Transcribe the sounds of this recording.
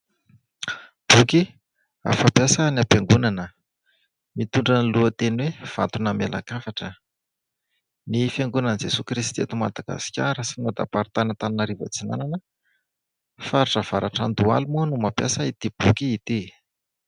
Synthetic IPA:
b̥uki | a̰fapjasanapjaŋɡunanə | mit̪uɳɖ͡ʐaniluət̪enwev̥at̪unamela̰kafaʈ͡ʂə | nifjaŋɡunand͡zesukɾist̪ḛt̪umad̪aɡ̥a̰si̥kʲa̰ɾəsinad̪a̰paɾit̪anət̪aninaɾivə̰t͡sina̰nanə | faɾiʈ͡ʂəv̥aɾaʈ͡ʂand̪ua̰lumuənumapjasəit̪ib̥ukiːt̪i

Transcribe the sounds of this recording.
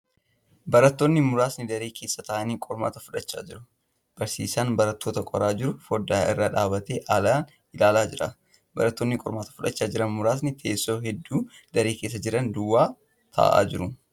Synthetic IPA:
bɐɾɐt̪ːo̞ːnːɪmʊɾaːsnɪd̪ɐɾeːkʰe̞ːsːɐt̪ɐʔɐniːkʼɔɾma̰ːt̪ɐfʊᶑɐt͡ʃːa̰ːd͡ʒɪɾʊ̥ | b̥ɐɾsḭːsaːnbɐɾɐt̪ːo̞ːt̪ɐkʼɔɾaːd͡ʒɪɾʊfɔd̪ːaːʔɪrːaːᶑaːbɐt̪eːʔɐlaːn | ɪlaːlaːd͡ʒɪɾɐ | bɐ̰ɾɐt̪ːoːnːɪkʼɔɾmaːt̪ɐ̥fʊᶑɐt͡ʃːaːd͡ʒɪɾɐnmʊɾaːs̬nɪt̪ʰeːsːo̞ːɦɛd̪ːuː | d̪ɐɾeːke̞ːs̬ːɐd͡ʒɪɾɐnd̪ʊwːaː | t̪ʰɐ̰ːʔa̰ːd͡ʒɪɾʊ

